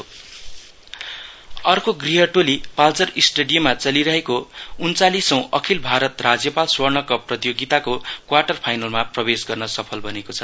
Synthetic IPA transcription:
o | ʌrkoɡriɦʌʈolipalt͡sʌrisʈeɽijʌmat͡sʌliɾʌɦekount͡salisʌ̃w̃ʔʌkʰilbʱaɾʌt̪rad͡zjʌpalswʌrɳʌkʌprʌt̪joɡit̪akokwarʈʌrpʰajnʌlmaprʌbesɡʌrnʌsʌpʰʌlbʱʌnekot͡sʰʌ

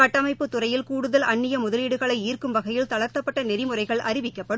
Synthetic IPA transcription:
ɐʈːɐmɐɪpːɯt̪ːʊrɐjɪlkuːɽɯðɐlɐɳːɪjɐmʊðɐliːɽɯɣɐɭɐɪiːrkɯmʋɐɣɐjɪlt̪ɐɭɐɾt̪ːɐpːɐʈːɐnɛɾɪmɯrɐɪɣɐɭʔɐɾɪʋɪkːɐpːɐɽ

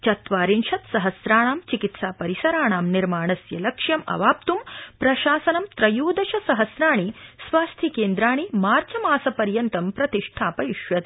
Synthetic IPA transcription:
t͡ʃɐt̪ʋaːɾinʃɐt̪sɐɦɐsɾaːɳaːmt͡ʃikit̪saːpɐɾisɐɾaːɳaːmniɾmaːɳɐsjɐlɐkʂjɐmɐ̰ʋaːp̚t̪umpɾɐʃaːsɐnɐmt̪ɾɐjuːd̪ɐʃɐsɐɦɐsɾaːɳisʋaːst̪ʰikeːnd̪ɾaːɳ̃imaːɾt͡ʃɐmaːsɐpɐɾjɐnt̪ɐmpɾɐt̪iʂʈʰaːpɐjiʃʋɐt̪i

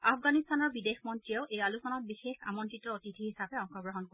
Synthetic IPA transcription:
apʰɡanist̪anɔɹbidexʰmɔntɹijaʊʔejalusɔnɔbixexa̰mɔntɹitːɔotitʰiɦisabɛɔŋxʰɔɡɹɔɦɔnko

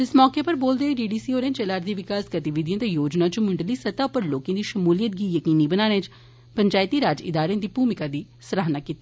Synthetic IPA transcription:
ɪsmɔːkeːpəɾboːld̪eːiɖiːɖiːsiːoːɾẽːnt͡ʃɛlaːɾd̪iːʋɪkaːsɡət̪ɪʋɪd̪ijãːt̪eːjoːd͡ʒnãːt͡ʃʊmʊɳɖəliːsət̪aːʊpəɾloːkãːd̪iːʃəmuːlijət̪̚ɡiːjəkiːniːbənaːɽ̃ẽːt͡ʃ | pəɲt͡ʃaːɪt̪iːɾaːd͡ʒɪ̰d̪aːɾeãːd̪iːbuːmɪkaːd̪iː | sɾaːnaːkiːt̪iː

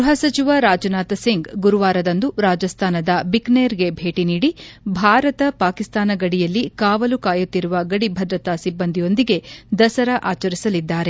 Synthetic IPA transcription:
ɾuɦɐsɐt͡ʃiʋaɾaːd͡ʒɐnaːt̪ɐsiŋɡɡuɾuʋaːɾɐd̪ɐnd̪uɾaːd͡ʒɐst̪ʰaːnɐd̪ɐbikneɾɡe̞bʱe̞ːʈiniːɽibʱaːɾɐt̪ɐpaːkist̪aːnɐɡɐɽijɐlːikaːʋɐlukaːjut̪ːiɾuʋɐɡɐɽibʱɐd̪ɾɐt̪asibːɐnd̪ijo̞nd̪iɡe̞d̪ɐsɐɾɐʔaːt͡ʃɐɾisɐlid̪ːaːɾe̞

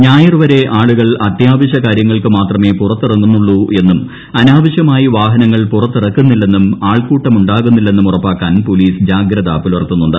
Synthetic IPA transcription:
ɲaːjirʋɐɾe̞ʔaːɭuɣɐɭɐt̪jaːʋɐɕ̬ɐkaːɾjɐŋːɐɭkɨmaːt̪rɐme̞ːpurɐt̪ːirɐŋːunːuɭːuʔe̞nːum | ɐnaːʋɐɕjɐmaːjiʋaːɦɐnɐŋːɐɭpurɐt̪ːirɐkːunːilːe̞nːumaːɭkuːʈːɐmuɳɖaːɣunːilːe̞nːumurɐpːaːkːaːnpo̞ːliːsd͡ʑaːɡɾɐða̰ːpːilɐrt̪ːunːuɳɖɨ̰

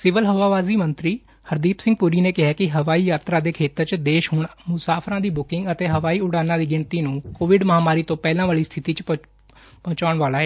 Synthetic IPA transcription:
sɪʋəlɦəʋaːʋaːziːmənt̪ɾiː | həɾd̪iːpsɪ̃ŋɡ̚pʊɾiːneːkɪɦaːkɪɦəʋaːiːjaːt̪ɾaːd̪eːkʰeːt̪əɾt͡ʃd̪eːʃɦʊɳmʊsaːpʰɾãːd̪iːbʊkɪ̃ŋɡət̪eːɦəʋaːiːʊɽaːnãːd̪iːɡɪɳt̪iːnũːkoːʋɪɖməɦaːmaːɾiːt̪õːpɛːlãːʋaːɭiːst̪ʰɪt̪iːt͡ʃ | pɔ̃ːt͡ʃaːɳʋaːlaːɛː

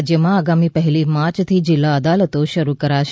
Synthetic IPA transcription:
d͡ʒjəmãaɡamipəɦɛlimat͡ʃt̪ʰid͡ʒɪlːaəd̪alət̪oʃəɾukəɾaʃ

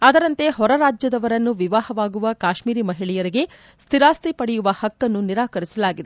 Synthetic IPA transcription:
ɐd̪ɐɾɐnt̪e̞ɦɔɾɐɾaːd͡ʒjɐd̪ɐʋɐɾɐnːuʋiʋaːhɐʋaːɡuʋɐkaːʃmiːɾimɐɦiɭijɐɾiɡe̞ | st̪ʰiɾaːst̪ipɐɽɛjuʋɐhɐkːɐnːuniɾaːkɐɾisɐlaːɡid̪e

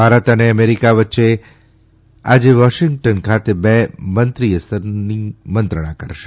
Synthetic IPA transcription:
bʱaɾət̪əneəmeɾikaʋətːʃe | a̰d͡ʒeʋɔʃɪŋɡ̚ʈənkʰat̪ebɛmənt̪ɾiəsəɾnimənt̪ɾəɽ̃akəɾʃe

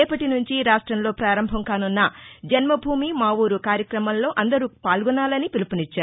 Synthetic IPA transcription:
ɛːpɐʈinuɲt͡ʃiɾaːʂʈɾɐmlo̞ːpɾaːɾɐmbʱɐmkaːnunːɐd͡ʒɐnmɐbʱuːmimaːwuːɾukaːɾjɐkɾɐmɐmlo̞ːʔɐnd̪ɐɾuːpaːlɡɔnaːlɐnipilupunit͡ʃːaːɾ

